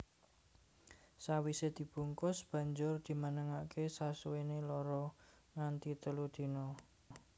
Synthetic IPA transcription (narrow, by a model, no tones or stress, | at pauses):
sawised̪̥i̤b̥uŋkʊsb̥ä̤ɲd͡ʒʊrd̪̥i̤mənəŋakʰesasuwenelɔɾɔ | ŋant̪it̪əlud̪̥i̤nɔ